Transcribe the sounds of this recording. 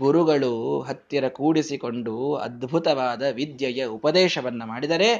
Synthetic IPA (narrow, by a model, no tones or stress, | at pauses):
ɡuɾuɡɐɭuɦɐt̪ːjɐɾɐkuːɽisiko̞ɳɖuɐ̰d̪bʱut̪ɐʋaːd̪ɐʋid̪jɐjɐupɐd̪ɛːʃɐʋɐnːɐmaːɽid̪ɐɾe̞